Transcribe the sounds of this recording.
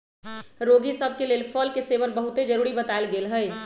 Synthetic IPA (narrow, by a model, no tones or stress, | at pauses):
ɾoɡisəb̚ʱkeleːlpʰəlkeseʋənbəɦut̪ed͡ʒəɾuːɾibət̪aelɡeːlɦəɪ